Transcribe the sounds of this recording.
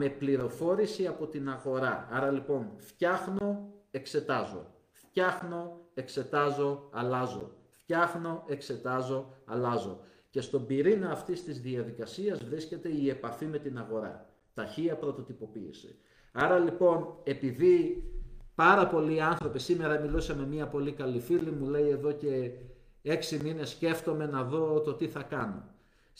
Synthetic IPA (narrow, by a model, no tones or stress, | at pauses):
me̞pliɾo̞fo̞ɾisiɐpo̞t̪inɐɣo̞ɾɐɐɾɐlipo̞nfçɐxno̞e̞kse̞t̪ɐzo̞̰ | fçɐxno̞e̞kse̞t̪ɐzo̞ɐlɐzoo̞̰ | fçɐxno̞e̞kse̞t̪ɐzo̞ɐlɐzo̞ | ce̞st̪o̞biɾinɐːft̪ist̪izðiɐðikɐsiɐzvɾisce̞t̪e̞ie̞pɐfime̞t̪inɐɣo̞ɾɐ̰ | t̪ɐçiɐpɾo̞t̪o̞t̪ipo̞pḭːsi̥̰ | ɐɾɐlipo̞ne̞piði | pɐɾɐpo̞liːɐnθɾo̞pisime̞ɾɐmilusɐnme̞miɐpo̞likɐlifilimule̞ie̞ðo̞ce̞ | e̞ksimine̞sce̞ft̪o̞me̞nɐðo̞t̪o̞t̪iθɐkɐno̰